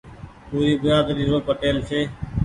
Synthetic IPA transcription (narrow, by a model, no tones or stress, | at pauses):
puːɾiːbʊjaːd̪ɾiːɾoːpəʈeːlsʰeː